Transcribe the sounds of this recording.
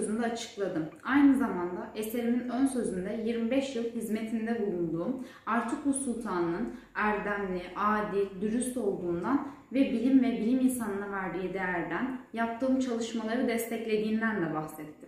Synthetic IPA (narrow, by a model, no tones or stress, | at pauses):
øzynd̪ɛat͡ʃʰɯ̥klˠad̪ɯmajnɯzamand̪aʔe̞se̞ɾiminønsø̞zynd̪ɛjiɾmibɛʃjɯlˠhizme̞t̪ʰind̪ɛbulˠund̪uːm | aɾt̪ʰɯk̚busulˠt̪ʰaːnɯnɯn | æɾd̪æmlʲiʔaːd̪ilʲd̪yɾyst̪o̞lˠd̪uːnd̪an | vɛbilʲimvɛbilʲiminsanɯnavæɾd̪ijid̪ejæɾd̪ænjap̚t̪ʰɯːmt͡ʃʰalˠɯʃmalˠaɾɯd̪ɛst̪ʰɛclʲe̞d̪iːnd̪ænd̪ɛbaxsɛt̪ʰːi̥